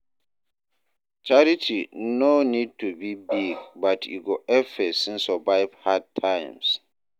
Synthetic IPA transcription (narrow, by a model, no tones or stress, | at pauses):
t͡ʃʰaɾitʰinonid̚tʰubibiɡbatʰjṵɡoɛfɛsĩnsɔbaɪvhad̚tʰːãɪ̃ms